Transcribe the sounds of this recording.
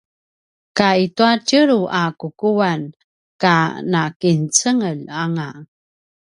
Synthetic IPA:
kaituatəɾuʔakukuan | kanakint͡səŋəlaŋa

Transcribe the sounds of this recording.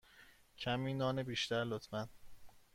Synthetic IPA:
cʰæmiːnɒːnebiːʃt̪æɾlot̪ʰmæn

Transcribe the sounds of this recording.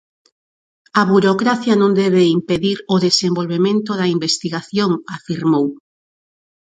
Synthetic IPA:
ɐβuɾokɾaθjɐnõnd̪ɛβ̞eimpeðiɾoðesembolβemẽnt̪oðɐimbest̪iɣaθjoŋafiɾmow

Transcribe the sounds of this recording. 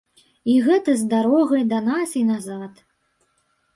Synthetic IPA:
iɣɛt̪ɐzd̪aɾɔɣɐjd̪ɐnasinazat̪

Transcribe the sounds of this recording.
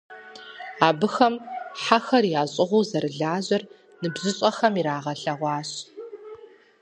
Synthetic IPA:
aːbɨxɐmħaxɐrjaːɕʼɪʁʷuːzɐɾɨɮaːʑɐr | nɨbʑɨɕʼɐxɐmiɾaːʁɐɬɐʁʷɑːɕ

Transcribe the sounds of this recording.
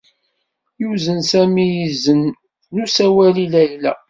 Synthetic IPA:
juzənsæmijizənː | usæwælilæjlæ

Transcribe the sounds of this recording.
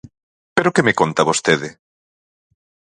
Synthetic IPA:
peɾokemekont̪ɐβost̪eðɪ

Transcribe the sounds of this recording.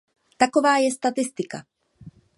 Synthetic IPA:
t̪akovaːjɛst̪at̪ɪst̪ɪka̰

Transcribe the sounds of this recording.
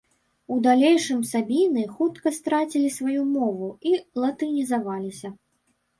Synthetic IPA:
ud̪alʲejʂɨmsabʲinɨxut̪kɐst̪ɾat͡sʲilʲisvajumɔvuilˠɐt̪ɨnʲizavalʲisʲɐ

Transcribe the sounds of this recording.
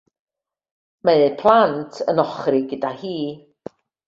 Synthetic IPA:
meɨpʰlˠantʰə̰nɔχrɨɡədahiː

